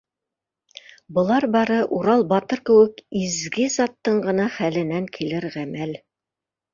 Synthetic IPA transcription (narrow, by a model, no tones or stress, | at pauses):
bɤ̆lˠɑɾbɑɾɤʔuɾɑlˠbɑt̪ɤɾkɘ̆wɘkizɡɘzɑt̪ːɤɴɢɤ̆nɑχælɘ̆næŋkʰilɘɾʁæmæl